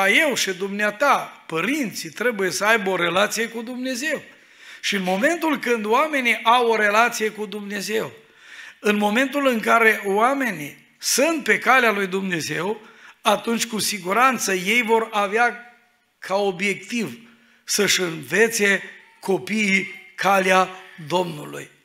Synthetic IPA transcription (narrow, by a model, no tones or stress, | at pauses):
aje̞wʃid̪umneat̪apəɾint̪sit̪ɾe̞buje̞səajbo̞ɾe̞lat̪sije̞kud̪umne̞ze̞w | ʃiɨnmo̞me̞nt̪ulkɨnd̪oame̞niʔawo̞ɾe̞lat̪sije̞kud̪umne̞ze̞w | ɨnmo̞me̞nt̪ulɨŋkaɾe̞wame̞ni | sunt̪̚pe̞kalealujd̪umne̞ze̞wat̪unt͡ʃʲkusiɡuɾant̪səje̞jvo̞ɾavea | kʰao̞bje̞k̚t̪iv | səʃɨnve̞t̪se̞ | ko̞piːkʰalead̪o̞mnulṵj